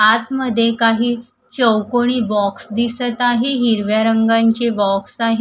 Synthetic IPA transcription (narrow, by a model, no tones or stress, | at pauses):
at̪məd̪ʱːjekaɦiː | t͡ɕəwkoɽ̃iːbɔksd̪isət̪aɦeɦiɾʋjaɾəŋɡaɲt͡ɕebɔksaɦ